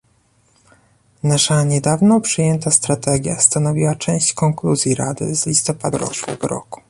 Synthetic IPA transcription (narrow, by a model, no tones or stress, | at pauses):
naʂaɲɛd̪avnɔ̃pʂɘjɛnt̪ast̪ɾat̪ɛɡʲja̰st̪anɔvʲiwat͡ʂɛ̃w̃ɕt͡ɕkɔŋkluzʲjiɾad̪ɘ̰zlʲist̪ɔpad̪ɾɔ̰kṵɡɾɔ̰ku̥